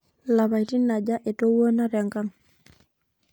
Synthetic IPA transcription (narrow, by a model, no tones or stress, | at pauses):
labajtinːaɟaʔɛtowonaɾɛŋkaŋ